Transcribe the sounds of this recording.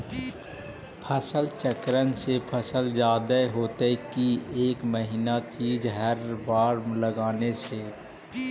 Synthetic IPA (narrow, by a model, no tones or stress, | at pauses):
pʰəsəlt͡ʃəkɾənsepʰəsəld͡ʒaːd̪əɦoːt̪ekieːkməɦinat̪ʰiːd͡ʒɦəɾbaːɾmləɡaːnese